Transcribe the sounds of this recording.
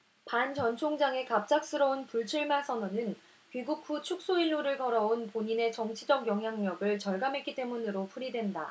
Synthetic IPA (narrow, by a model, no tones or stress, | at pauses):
pant͡ɕʌnt͡ɕʰoŋd͡ʑaŋe̞kap̚t͡ɕ͈ak̚s͈ɯɾʌunpuɭt͡ɕʰuɭmasʰʌnonɯn | ɥiɡuk̚ʰɸut͡ɕʰuk̚s͈oiɭːuɾɯɭkʌɾʌunpoɲine̞t͡ɕʌŋt͡ɕʰid͡ʑʌɡjʌŋɦjaŋɲʌɡɯɭt͡ɕʌɭɡamɦe̞k͈it͈e̞munɯɾopʰuɾidwe̞nda